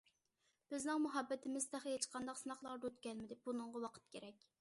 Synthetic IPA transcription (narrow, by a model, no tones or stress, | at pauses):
b̥ɪznɪŋmuɦɑbːɛt̪ʰɪmɪzt̪ʰæχɦet͡ʃqʰɑnd̪ɑqsɨnɑχlˠɑɾd̪øt̪kʲɛlmɪd̪ɪb̥unɨɴʁɑwɑqʰə̥t̪̚kʲeɾɛkʲ